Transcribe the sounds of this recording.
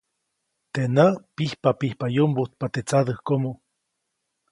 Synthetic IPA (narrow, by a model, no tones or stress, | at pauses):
t̪enapihpapihpajombut̪̚pat̪et͡sad̪əhkomo